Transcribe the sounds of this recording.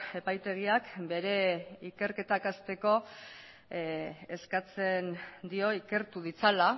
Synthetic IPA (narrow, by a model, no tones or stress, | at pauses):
e̞pajt̪e̞ɣ̞iakbe̞ɾe̞ike̞ɾke̞t̪akast̪e̞ko̞ | skat͡se̞nd̪io̞ike̞ɾt̪uðit͡sala